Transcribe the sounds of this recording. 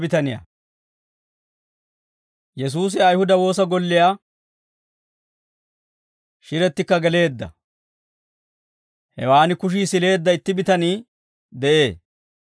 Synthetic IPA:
bɪt̪ɐnɪjɐ̰ | jɛs̬uːs̬ɪɐjhʊd̪ɐwo̞ːs̬ɐɡɔlːɪjaː | ʃɪɾɛt̪ːɪkːɐɡɛle̞ːd̪ːɐ̰ | hɛ̰waːnɪkʊʃ̬iːsɪle̞ːd̪ːɐɪt̪ːɪbɪt̪ɐniː | d̪ɛʔe̞ː

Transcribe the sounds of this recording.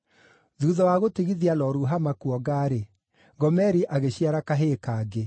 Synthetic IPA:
ðuðɔwaɣotiɣiðialɔɾuɦamakuɔɡaːɾe | ɡɔmɛɾiʔaɣeɕiaɾakaɦekaːɡe

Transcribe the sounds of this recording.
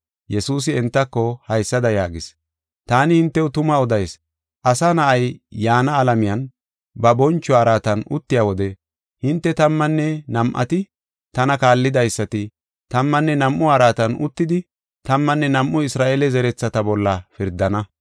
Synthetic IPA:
jɛsuːs̬ɪɛnt̪ːɐkːɔhɐjsːɐd̪ɐjaːɡɪs | t̪aːnɪhɪnt̪ːɛʊt̪ʊmɐɔd̪ɐjs | ʔɐsanɐʔɐjːaːnɐːlɐmɪjɐn | bɐbɔnt͡ʃːɔaɾaːt̪ɐnʊ̰t̪ːɪjaːwɔd̪ɛ | hɪnt̪ːɛt̪ɐmːɐnːɛnɐmʔɐ̰t̪ɪ | t̪ɐnɐkaːlːɪd̪ɐjsːɐt̪ɪ | t̪ɐmːɐnːɛnɐmʔːʊaɾaːt̪ɐnʔʊt̪ːɪd̪ɪ | t̪ɐmːɐnːɛnɐmʔːʊɪsɾaːʔelɛzɛɾɛt͡sːɐt̪ɐbɔlːɐfɪɾd̪ːɐnɐ

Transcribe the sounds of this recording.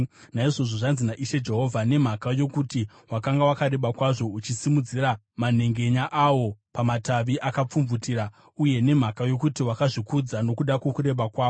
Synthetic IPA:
naiʐo̞ʐoʐanzinaʔiʃe̞d͡ʒe̞ɦo̞vʱane̞m̤akajo̞kuti | wakaŋɡawakaɾe̞ɓakwaʐo̞ut͡ʃisimud͡ziɾa | man̤e̞ŋɡe̞ɲaʔawo̞pamataʋiʔakap͡fumvutiːɾa | uje̞ne̞m̤akajo̞kutiwakaʐikud͡zano̞kuɗakwo̞kuɾe̞ɓakwaːwo

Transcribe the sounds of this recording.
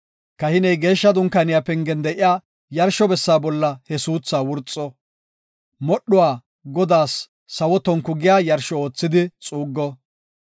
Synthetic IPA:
kɐhɪnɛjɡe̞ːʃːɐd̪ʊŋkɐnɪjaːpɛŋɡɛnd̪ɛʔɪjaː | jɐɾʃːɔbɛsːaːbɔlːɐhɛsuːt͡sːaːwʊɾt͡sʼːɔ | mɔɗʊwaː | ɡɔd̪aːsː | ɐwɔt̪ɔŋkːʊɡɪjaːjɐɾʃɔoːt͡sːɪd̪ɪt͡sʼuːɡːɔ

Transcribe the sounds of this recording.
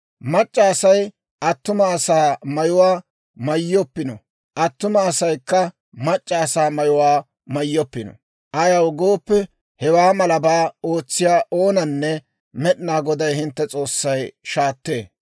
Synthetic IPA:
mɐt͡ʃʼːɐːsɐj | ʔɐt̪ːʊmɐːsaːmɐjʊwaː | mɐjːɔpːɪnɔ̰ | ʔɐt̪ːʊmɐːsɐjkːɐ | mɐt͡ʃʼːɐːsaːmɐjʊwaː | mɐjːɔpːɪnɔ̰ | ʔɐjɐwɡoːpːɛ | hɛwaːmɐlɐbaːo̞ːt͡sːɪjaːʔo̞ːnɐnːɛ | mɛɗɪnaːɡɔd̪ɐjhɪnt̪ːɛt͡sʼo̞ːsːɐjʃaːt̪ːeː

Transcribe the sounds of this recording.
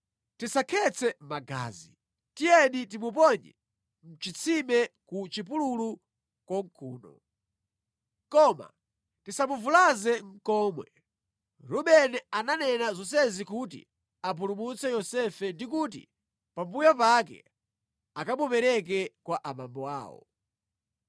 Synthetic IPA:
tisakʰɛt͡sʰɛmaɡa̰ːzi | tijɛɗit̬imup̬ɔɲɛ̰ | m̩t͡ʃit͡sʰimɛkut͡ʃip̬ululu | kwɔŋkʰuːnɔ̰ | kɔma̰ | tisamuvulazɛŋ̩kɔːmwɛ | ɾɔɓɛnɛananɛnazɔs̬ɛzikut̬ḭ | ap̬ulumut͡sɛjɔsɛfɛndikut̬ḭ | pambujapakɛ̰ | akamupɛɾɛk̬ɛkwaʔamambɔa̰ːwɔ̰

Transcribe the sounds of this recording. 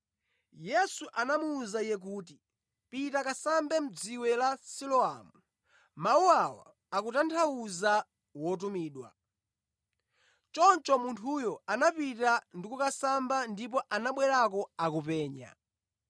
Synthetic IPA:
jɛsuʔanamuːzaijɛk̬uːti | pitakasambɛm̩d͡ziwɛlasilɔa̰mu | mauawa̰ | akutantʰauza | wɔt̬umiːɗwa̰ | t͡ʃɔnt͡ʃɔmuntʰujɔanapitandikukasambandip̬ɔʔanaɓwɛɾakɔakupɛːɲa̰

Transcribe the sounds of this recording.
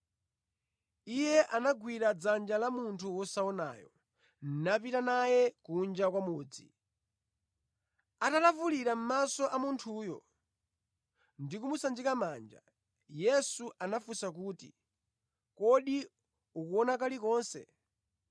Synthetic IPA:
ijɛʔanaɡwiɾad͡zand͡ʒalamuntʰuwɔsaɔna̰ːjɔ̰ | n̩nap̬itanajɛkund͡ʒakwamuːd͡zi | atalafuliɾam̩masɔʔamuntʰuːjɔ̰ | ndikumusand͡ʒikamaːnd͡ʒa̰ | jɛsuʔanafusakuːtḭ | kɔɗi | ukuɔnakalikɔːnsɛ̰

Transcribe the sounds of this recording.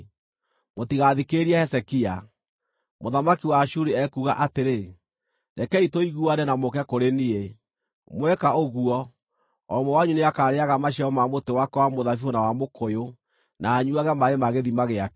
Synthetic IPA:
motiɣaðikeɾiɛhɛsɛkia | moðamakiwaʃuɾiɛkuɣa̰ʔateɾe | nɛkɛitoiɣuadɛnamokɛkoɾenie | mwɛkaoɣuɔ | ɔmɔwaɲuneakaːɾeaɣamaʃɛɔmamotewakɛwamoðafionawamokojo | naːɲuaɣɛmaɾemaɣeðimaɣeak

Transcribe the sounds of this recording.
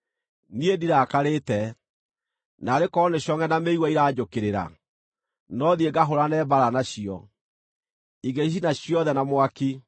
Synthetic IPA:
niediɾakaɾetɛ | naɾekɔneɕjɔŋɛnameiɣwaiɾaːd͡ʒokeɾeɾa̰ | nɔðieɡaɦoɾanɛbaɾanaɕiɔ | iɡeɕ̬inaɕiɔðɛnamwaki

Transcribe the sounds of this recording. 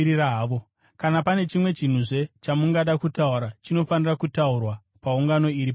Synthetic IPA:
iraɦaːʋo̞ | kanapane̞t͡ʃimwe̞t͡ʃin̤uʐe̞t͡ʃamuŋɡaɗakutauɾat͡ʃino̞fanirakutaurwa | pauŋɡano̞iɾip

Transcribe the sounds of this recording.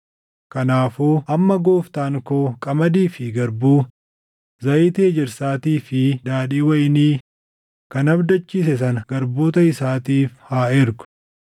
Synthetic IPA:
kɐnaːfoːʔɐmːɐɡo̞ːft̪aːŋkoːkʼɐmɐd̪iːfɪɡɐɾbuː | zɐɪt̪eːd͡ʒɛɾsaːt̪iːfɪd̪aːᶑiːwɐjniː | kɐnɐbd̪ɐt͡ʃːiːs̬ɛs̬ɐnɐɡ̥ɐɾbo̞ːt̪ɐɪsaːt̪iːfhaːɪɾɡʊ̥

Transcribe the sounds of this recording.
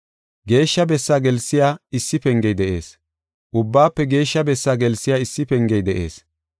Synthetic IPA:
ɡe̞ːʃːɐbɛsːaːɡɛlsːɪjaːɪsːɪpɛŋɡɛjd̪ɛʔe̞̰ːs | ʔʊbːaːpːɛɡe̞ːʃːɐbɛsːaːɡɛlsːɪjaːɪsːɪpɛŋɡɛjd̪ɛʔe̞̰ːs

